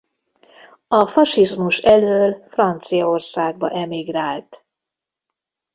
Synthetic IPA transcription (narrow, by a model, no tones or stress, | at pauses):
ɒfɒʃizmuʃɛløːlfrɒnt̪sijɒorsaːɡ̚bɒ̰ʔɛmiɡraːlt̪